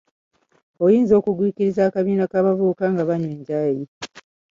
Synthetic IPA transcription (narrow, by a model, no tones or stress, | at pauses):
o̞jiːnzo̞ːkuɡwiːkiɾizaːkaβiːnakaːβavuːkaŋɡaβaɲweːɲɟaːji